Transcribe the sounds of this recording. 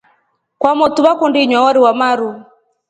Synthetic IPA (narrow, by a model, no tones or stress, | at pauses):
kwamɔtuβakundiɲwawaɾiwamaɾu